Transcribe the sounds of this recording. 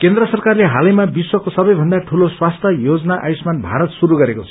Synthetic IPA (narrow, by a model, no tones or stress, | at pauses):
kend̪rʌsʌrkarleɦalʌjmabiswʌkosʌbʌjbʱʌnd̪aʈʰuloswast̪ʰʌjod͡zʌnaʔajsmanbʱa̰ɾʌt̪suɾuɡʌɾekot͡sʰʌ̥